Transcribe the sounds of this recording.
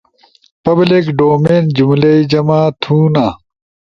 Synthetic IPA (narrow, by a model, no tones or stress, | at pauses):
pɐblikɖoːmeːnd͡ʑumlɐid͡ʑɐmaːt̪ʰuːnaː